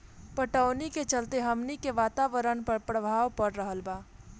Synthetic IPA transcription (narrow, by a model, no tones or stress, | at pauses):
pəʈəːniket͡ʃəlt̪eɦɐmnikeʋaːt̪aːʋəɾənpəɾpɾəbʱaːʋpɐɽɾəɦəlbaː